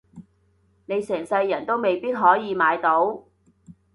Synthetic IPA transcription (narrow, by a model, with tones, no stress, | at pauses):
ne˨˧jsɛː˨˩ŋsɐ˧jːɐ˨˩nt̪o˥wme˨˧jpiː˥t̚ɦɔː˨˥jiː˨˧maː˨˧jt̪o˨˥w